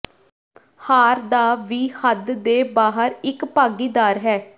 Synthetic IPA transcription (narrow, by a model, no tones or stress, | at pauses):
haːɾd̪aːʋiːhəd̪d̪eːbaːɦəɾɪkpaːɡiːd̪aːɾɦɛː